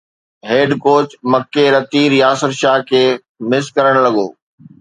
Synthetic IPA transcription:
ɦeːɖkoːt͡ɕmɐkːeɾɐt̪iːɾjaːsəɾʃaːɦkʰeː | mɪskɐɾəɽ̃lɐɠoː

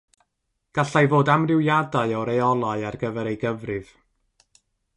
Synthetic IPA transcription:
ɡ̥aɬajvoːdamrɪwjadaɨɔɾejɔlˠaɨarɡəvɛɾejɡəvrɨv̥

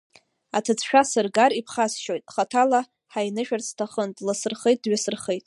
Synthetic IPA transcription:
atʰɨt͡sʰʃᶣasɨrɡaɾipʰχasʃojtʼχatʰala | ħajnɨʃᶣart͡sʰtʰaχəntʼlasɨrχejt̚ʼdɥasɨrχejtʼ

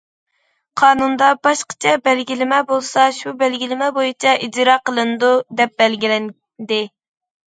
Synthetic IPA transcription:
qʰɑːnund̪ɑbɑʃqə̥t͡ʃʰɛbɛlɡʲilɪmɛbolˠsɑʃubɛlɡʲilɪmɛbojit͡ʃʰɛʔid͡ʒɾɑːqəlˠɨnɨd̪ud̪ɛp̚bɛlɡʲilɛn | d̪ɪ

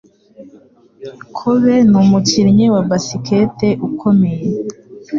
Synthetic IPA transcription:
kʰuβenumuciɾɲewabasiketeʔukʰome̞je

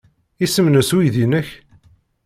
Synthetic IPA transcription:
isəmnəswiðinəç

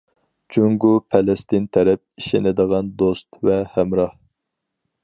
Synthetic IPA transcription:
t͡ʃʰuŋɡupʰɛlɛst̪ɪnt̪ʰɛɾɛp̚iʃɪnɪd̪əʁɑnd̪ost̪vɛhæmɾɑh

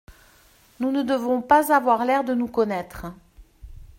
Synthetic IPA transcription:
nunəd̪əvɔ̃pazavwaʁlɛʁd̪ənukɔnɛt̪χə

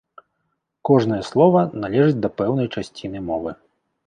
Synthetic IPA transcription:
kɔʐn̪ɐjɛslˠɔvɐnalʲɛʐɨd͡zʲd̪ɐpɛwnɐjt͡ʂasʲt͡sʲinɨmɔvɨ

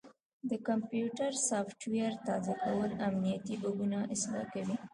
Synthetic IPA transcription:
d̪əkampjuʈaɾsɑfʈwejaɾt̪ɑzakawəlamnijat̪ibaɡunaʔɪslɑ̰kawi

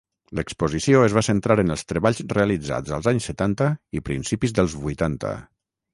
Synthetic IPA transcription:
ləkspuzisioəzβasənt̪ɾaɾənəlˠst̪ɾəβaʎzreəlid͡za̰d͡zə̰lˠzaɲsːət̪ant̪əipɾḭnsipizðəlˠzβujt̪ant̪ə̰

